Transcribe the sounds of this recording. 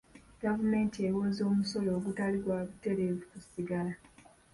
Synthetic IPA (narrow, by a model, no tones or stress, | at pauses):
ɡ̥avume̞ːntiewoːzo̞ːmuso̞lo̞ːɡutaliɾwaːβute̞ɾe̞vukusiɡala